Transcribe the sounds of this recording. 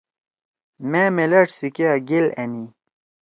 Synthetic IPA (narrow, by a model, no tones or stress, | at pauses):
memelɐʈsikaɡeleni